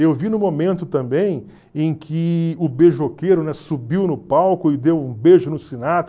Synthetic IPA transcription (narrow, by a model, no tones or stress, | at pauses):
ewvinʊmomẽnt̪ʊt̪ɐ̃bẽj̃ | ẽj̃kʰɪʊbeʒʊokejɾʊnɛsubiwnʊpawkʊɪd̪ewũbeʒʊnʊsinat̪